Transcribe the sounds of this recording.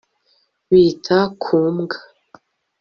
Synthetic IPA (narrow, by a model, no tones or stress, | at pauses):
wiːtʰakʰuːmɡa